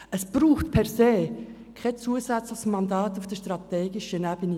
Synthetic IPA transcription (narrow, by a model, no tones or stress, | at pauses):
əsb̥ɾuːχtpʰɛʁseː | kʰɛt͡suəsæt͡sləχsmɑndɑːt̪ufd̥əʃtrɑt̪eːɡɪʃənæb̥əni